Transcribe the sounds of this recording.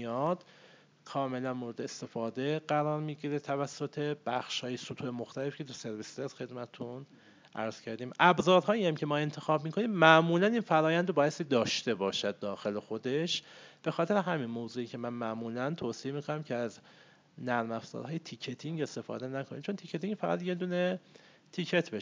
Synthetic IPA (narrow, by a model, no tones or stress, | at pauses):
mijɒd̪̥ | kʰɒːme̞lænmoɾe̞d̪eest̪e̞fɒːd̪e̞ɢæɾɒːɾmiːɟiːɾet̪ʰævæsːot̪ʰe̞b̥æxʃhɒːjesut̪ʰuemoxt̪ʰæle̞fi̥cʰe̞t̪ʰuse̞ɾvisesxe̞d̪mæt̪ʰet̪ʰun | ʔæ̰ɾz̥cʰæɾd̪iːmʔæbzɒːɾɦɒːiæmcʰe̞mɒːe̞nt̪ʰe̞xɒːbmiːkʰo̞niːmmæʔmuːlæninfæɾɒːjænd̪obɒːjest̪iːd̪ɒːʃt̪e̞bɒːʃæd̪̚d̪ɒːxe̞le̞xo̞d̪e̞ʃb̥e̞xɒːt̪ʰeɾeɦæminmoːzuːiːcʰemænmæʔmuːlænt̪ʰoːsiemiːkʰonæmcʰeæz | næɾmæfz̥ɒ̰ːɾɦɒːjet̪ʰicʰet̪ʰiŋɡe̞st̪e̞fɒ̰ːd̪enækʰonḭːmt͡ʃʰont̪ʰicʰet̪ʰiŋɟfæɣæd̪je̞d̪uːne̞ | t̪ʰicʰe̞t̪ʰbe